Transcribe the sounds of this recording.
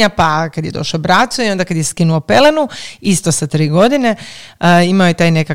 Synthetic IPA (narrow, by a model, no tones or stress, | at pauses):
apakad̪je̞d̪o̞ʃobɾat̪suio̞nd̪akad̪jeskinuopelenuist̪osat̪ɾiːɡo̞d̪ine̞ | imaojet̪aːjne̞ka